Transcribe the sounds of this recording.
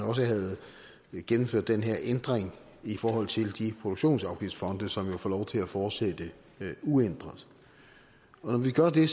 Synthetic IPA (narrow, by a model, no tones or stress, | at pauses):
ɒ̽s̬əɦæð̩ˠ | ɡ̥enm̩føɐ̰d̥ːenɦeɐʔend̥ʁeŋ | ifɒːɦɒ̽l̰t͡sʰe̝ld̥ipʰʁod̥oɡ̥ɕo̝̰ːnsɑ̈ʊɡ̥ifd̥fɒ̽nd̥əsɒ̽mjo̝foːlɒʊt͡sʰe̝læfɒːd̥sed̥ə | uend̥ʁɐð̩ˠ | ɒ̽nɒʋiɡ̥ɶɐd̥e̝